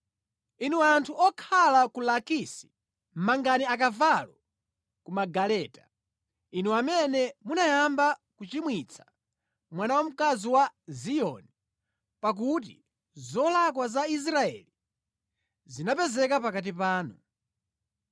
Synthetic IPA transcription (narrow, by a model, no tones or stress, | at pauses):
inuantʰuɔkʰalakulakisi̥ | m̩maŋɡaniakavalɔ | kumaɡalɛːta | inuamɛnɛmunajambakut͡ʃimwit͡sʰḁ | mwanawam̩kaziwazijɔ̰ni | pak̬ut̬ḭ | zɔlakwazais̬ɾaɛ̰li | zinapɛzɛkapakat̬ipaːnṵ